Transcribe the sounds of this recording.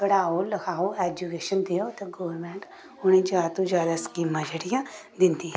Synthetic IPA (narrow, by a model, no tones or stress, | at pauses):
bəɽaːoːləkʰaːoːɛːd͡ʒukeːʃənd̪eːoːt̪eɡoːəɾmɛ̃ːɳʈ | ʊnẽːd͡ʒaːt̪õːd͡ʒjaːd̪aːskiːmːãd͡ʒəɽijãːd̪ɪnd̪iːɛ